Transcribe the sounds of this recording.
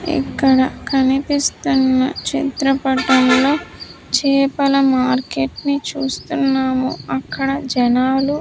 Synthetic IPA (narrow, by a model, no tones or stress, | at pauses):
ḭkːɐɽɐkʰɐnipist̪unːɐ̰t͡ʃit̪ɾɐpɐʈɐmlo̞ː | t͡ʃɛːpɐlɐmaːɾkeʈnit͡ʃuːst̪unːaːmuɐkːɐɽɐd͡ʒɐnaːlu